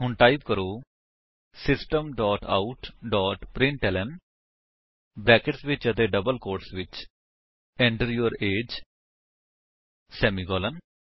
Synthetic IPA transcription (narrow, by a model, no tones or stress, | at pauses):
ɦʊɳʈaːibkəɾoː | sɪsʈəmɖɔːʈa̰ːuʈɖɔːʈpɾɪ̃ɳʈɛlən | bɾɛːkəʈsʋɪt͡ʃət̪eːɖəbəlkoːɾʈsʋɪt͡ʃ | ɛ̃ːɳʈəɾjoɾeːd͡ʒ | sɛːmiːɡɔːlən